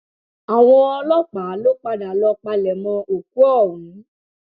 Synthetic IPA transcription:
a˨w̃ɔ̃˧ɔ˧lɔ˦k͡pa˨˦lo˦k͡pa˧da˨lɔ˧k͡pa˧lɛ˨mɔ̃˧o˨k̚u˦ɔ̃˦˨ĩ˨˦

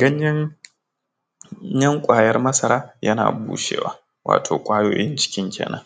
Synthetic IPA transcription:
ɡɐ˦ɲjɐ˦ | jɐ˦ŋkʷʼaː˨jɐ˦rmɐ˦sɐ˨ɾaː˦jɐ˦na̰ː˨bṵː˦ʃḛː˦˨wa̰ː˦ | wʔa̰ː˨tʰoː˨kʷʼaː˦joː˦jɪ˦nt͡ʃɪ̥˦kʲɪ˦ŋkʲʰḛː˨nɐ˦ŋ

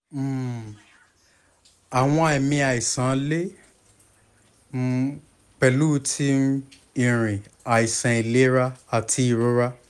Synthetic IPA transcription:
m̩˦˨ | a˨w̃ɔ̃˧˨ɛ˨mĩ˧a˨i˨sã˨˦le˦ | m̩˦ | k͡pɛ˨lu˦tʰi˦ | ĩ˨ɾ̃ĩ˨a˨i˨sã˨i˨le˦ɾa˦a˨tʰi˨˦i˦˨ɾo˦ɾa˦

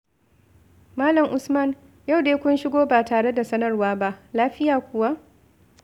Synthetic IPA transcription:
maː˦lɐ˨ŋʔʊ˨smɐ˦˨n | ja˦˨wdeː˦kʷʊ˦nʃɪ˦ɡʷoː˦baː˨taː˨ɽe˦da˨sɐ˦nɐ˦˨rwaː˦ba˦ʔlaː˦ɸɪ˦jaː˨kʷʊ˨wa˦ʔ

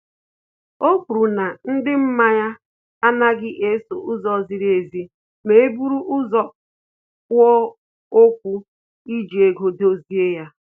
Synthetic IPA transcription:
o˦kʷu˨ɾu˨na˨n̩˦dɪ˦m̩˦ma˦ja˦ | a˦na˦ɡɪ˦ʔe˦so˨ʔʊ˦zɔ˦zɪ˦ɾe˨zi˦ | me˦e˦bu˦ɾu˦ʔʊ˦zɔ˦ | wɔ˦ | o˦kʷu˦ | i˦d͡ʒi˨e˨ɡo˨do˦zi˦e˦ja˦

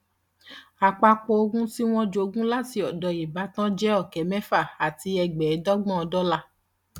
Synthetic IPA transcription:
a˨k͡pa˧k͡pɔ˧o˧ɡũ˦si˦w̃ɔ̃˦d͡ʒo˧ɡũ˦la˦ti˧ɔ˨dɔ˨i˨ba˨˦tã˦d͡ʒɛ˦ɔ˦˨kɛ˨mɛ̃˦fa˦˨a˨ti˧˦ɛ˧ɡ͡bɛ˨˦dɔ˦ɡ͡bɔ̃˦˨ɔ˧dɔ˦la˧

